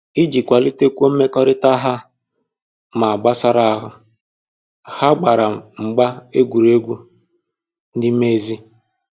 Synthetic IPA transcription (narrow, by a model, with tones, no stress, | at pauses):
i˦d͡ʒi˨kʷa˨li˦te˦kʷu˦o˦me˦kɔ˦ɾɪ˦ta˦ɦa˦ | ma˨a˨ɡ͡ba˦sa˦ɾa˦a˦ɦʊ˦ | ha˦ɡ͡ba˨ɾa˨ŋ͡m̩˨ɡ͡ba˦e˦ɡʷu˨ɾe˦ɡʷu˦ | n̩˦dɪ˦me˦zi˦